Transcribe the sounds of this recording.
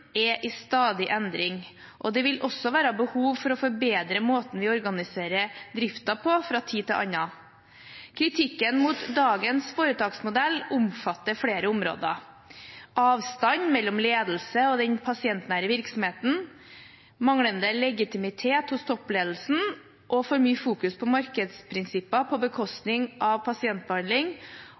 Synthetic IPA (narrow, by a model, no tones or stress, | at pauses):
ɛʔɪst̪ɑːd̪ɪʔɛnd̪ɾɪŋ | ʔɔd̪ɛʋɪlɔsːɔʋæːɾɑbəhuːʋfɔɾɔfɔɾbeːd̪ɾəmoːt̪n̩ʋɪɔɾɡɑnɪseːɾəd̪ɾɪft̪ɑpʰɔfɾɑt̪ʰiːt̪ɪlʔɑ̰nːɑ | kʰɾɪt̪ʰɪkːənmuːt̪d̪ɑːɡənsfoːɾət̪ɑːɡsmʊd̪ɛlːʊmfɑt̪ːəɾfɽeːɾəʊmɾo̰ːd̪ə̰ | ʔɑːʋst̪ɑɲmɛlːɔmleːd̪l̩səɔd̪ɛnpʰɑsɪɛnt̪næːɾəʋɪɾksɔmheːt̪n̩ | mɑŋɽənd̪əlɛɡɪt̪ɪmɪt̪ʰeːt̪hʊst̪ʰɔpːleːd̪l̩sn̩ | ʔɔfoːɾmyːfuːkʉspʰɔmɑɾkəd̪spʰɾɪnsɪpːɑpʰɔbəkʰɔst̪nɪŋʔɑʋpʰɑsɪɛnt̪̚bəhɑnd̪lɪŋ